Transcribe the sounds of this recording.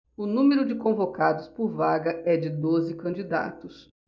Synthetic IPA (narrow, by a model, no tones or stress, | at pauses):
ʊnũmeɾʊd͡ʒɪkõvokad̪ʊspʊɾvaɡɐɛd͡ʒɪd̪ozɪkɐ̃nd͡ʒid̪a̰t̪ʊs